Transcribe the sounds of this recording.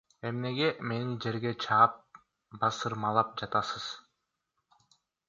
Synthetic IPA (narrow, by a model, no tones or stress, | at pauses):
e̞mne̞ɡe̞me̞nid͡ʒe̞ɾɡe̞t͡ʃʰɑːp̚ | bɑsɯɾmɑlˠɑp̚d͡ʒɑt̪ɑsɯz̥